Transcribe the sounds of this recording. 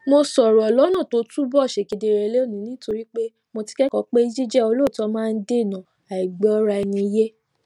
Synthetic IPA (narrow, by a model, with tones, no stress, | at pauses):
mo˧sɔ˨ɾɔ˨ɔ˨lɔ˨˦nã˦˨to˦tu˦bɔ˦˨ʃe˨ke˨de˧˨ɾɛ˧˨le˦o˦˨nĩ˨˦nĩ˦to˧ɾi˦k͡pe˦ | mo˧ti̥˧kɛ˦kɔ˦k͡pe˦i˦d͡ʒi˦d͡ʒɛ˦o˧lo˦˨tɔ˧˦mãː˦˧n̩˦de˦˨nã˨ | a˨i˨ɡ͡bɛ˦ɔ˦ɾa˧ɛ˧nĩ˧˦je˦